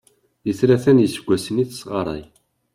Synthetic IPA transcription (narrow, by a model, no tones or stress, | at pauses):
jəθɾæθænjəsəɡʷːæsəniθsʁɑɾˤɑ̰j